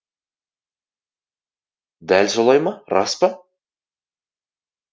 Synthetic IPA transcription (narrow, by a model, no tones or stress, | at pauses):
d̪ælʲsolˠɑjmɑɾɑ̰spə